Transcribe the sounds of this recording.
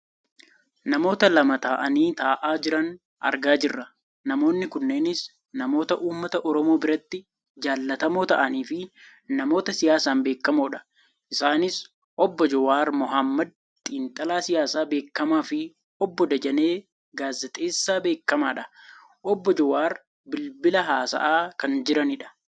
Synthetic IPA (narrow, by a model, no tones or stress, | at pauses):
nɐmo̞ːt̪ɐlɐmɐt̪aːʔɐniːt̪aːʔaːd͡ʒɪɾɐn | ʔɐ̰ɾɡaːd͡ʒɪrːɐ | nɐmo̞ːnːɪkʊnːe̞ːnɪs | nɐmo̞ːt̪ɐʔuːmːɐt̪ɐʔɔɾɔmo̞ːbɪɾɐt̪ːɪ | d͡ʒaːlːɐt̪ɐmo̞ːt̪ɐʔɐniːfɪ | nɐmo̞ːt̪ɐsɪjaːsaːmbe̞ːkːɐmoːᶑɐ̥ | ʔɪsaːnɪs | ʔɔbːɔd͡ʒɔwaːɾmʊɦɐmːɐd̪̚ | t̪ʼiːnt̪ʼɐlaːsɪjaːsaːbe̞ːkːɐmaːfɪ | ɔbːɔd̪ɐd͡ʒɐne̞ː | ɡaːzːɐt̪ʼeːsːaːbe̞ːkːɐmaːᶑɐ | ʔɔbːɔd͡ʒɔwaːɾ | bɪlbɪlɐɦaːsɐ̰ʔaːkɐnd͡ʒɪɾɐnɪᶑɐ̥